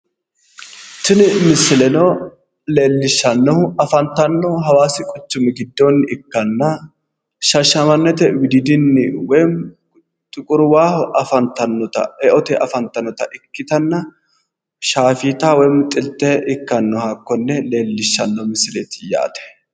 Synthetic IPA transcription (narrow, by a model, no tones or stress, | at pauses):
t̪ɪnɪmɪsɪlɛnɔ | le̞ːlːɪʃːɐnːɔhʊɐfɐnt̪ːɐnːɔɦɐwaːsɪkʼʊt͡ʃːʊmɪɡɪd̪ːɔnːɪkːɐnːɐ | ʃɐʃːɐmɐnːɛt̪ɛwɪd̪ɪd̪ɪnːɪwɔjm | t̪ʼʊkʼʊɾʊwaːhɔʔɐfɐnt̪ːɐnːɔt̪ɐ̰ɛʔɔt̪ɛʔɐfɐnt̪ːɐnːɔt̪ɐʔɪkːɪt̪ɐnːɐ | ʃaːfiːt̪aːwɔjmt̪ʼɪlt̪ːɛʔɪkːɐnːɔhakːɔnːɛle̞ːlːɪʃːɐnːɔmɪsːɪleːt̪ɪja̰ːt̪ɛ̥